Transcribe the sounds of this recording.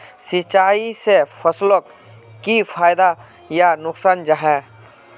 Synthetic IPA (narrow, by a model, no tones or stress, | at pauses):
sɪt͡ʃaːisepʰəslok | kipʰaːjd̪a | janʊksaːnd͡ʒaɦɛ